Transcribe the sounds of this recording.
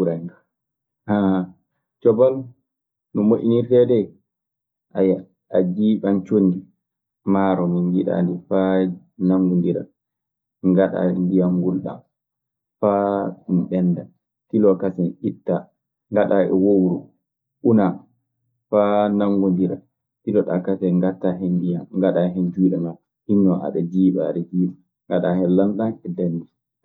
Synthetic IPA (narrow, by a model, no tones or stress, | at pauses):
uɾa | haha | t͡ʃɔbal | nɔmoʔinitɛdɛ | ʔaja | ad͡ʒiɓant͡ʃonːdi | maɾɔminjiɗa̰ndifa | naŋɡundiɾa̰ | ŋɡaɗa̰ndijaŋɡulɗa̰m | famɓɛnːda | tilɔkasɛnʔitːa | ŋɡaɗaʔɛ̰wowɾu | ʔuna | fanaŋɡundiɾa̰ | tilɔɗakasɛŋɡatːaɦɛndijaŋɡaɗaɦɛnd͡ʒuɗɛma | hinːɔʔa̰ɗad͡ʒiːɓaɗɛd͡ʒiːɓa | ŋɡaɗahɛlanɗanɛdandi